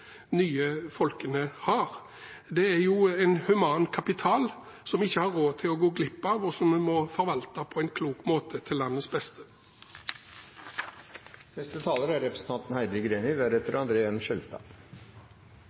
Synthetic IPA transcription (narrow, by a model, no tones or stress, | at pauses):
nyːəfɔlkənəhɑːʁ | d̪ɛæɾjuːɛɪnhʉmɑːnkʰɑpɪt̪ʰɑːl | sɔmɪçːəhɑɾːoːt̪ʰɪlɔɡoːɡlɪpːɑʋɔsɔmmɔfɔɾʋɑlt̪ɑpʰɔɛɪnkʰluːkmoːt̪ʰət̪ʰɪlːɑnːəsbɛst̪ʰə̥ | nɛst̪ət̪ʰɑːləɾæɾɛpɾəsn̩t̪ʰɑnt̪n̩hæɪd̪əɡɾeːnɪʋæɾɛt̪əɾɑnd̪ɾeːənʃœlst̪ɑ̰̥ː